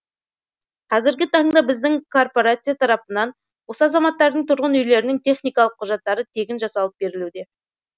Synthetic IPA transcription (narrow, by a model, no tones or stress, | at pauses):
qʰɑzɪɾɡʲɪt̪ʰɑŋd̪ɑbɪzd̪ɪŋkʰo̞rpo̞ɾat̪sɨjat̪ʰɑɾɑpənɑn | wo̞səɑzɑmɑt̪ːɑɾd̪əɴt̪ʰʊɾʁənʏjle̞ɾɪnɪŋt̪ʰe̞χnijkɑlˠəqʰːʊʒɑt̪ːɑɾət̪ʰe̞kʲɪnʒɑsɑlˠəp̚be̞ɾɪlud̪e̞